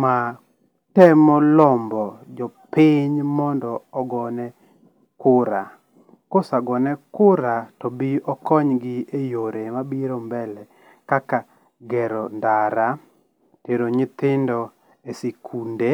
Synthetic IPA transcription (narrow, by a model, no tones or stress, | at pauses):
ma | tɛmɔlɔmbɔd͡ʒɔpɪɲmɔndɔːɡɔnɛ | kʊɾa | kosaɡɔnɛkʊɾatɔbiɔkɔɲɡɪejoɾemabiɾɔmbɛlɛ | kaka | ɡɛɾɔndaɾa | teɾoɲɪt̪ɪndɔ | esekʰunde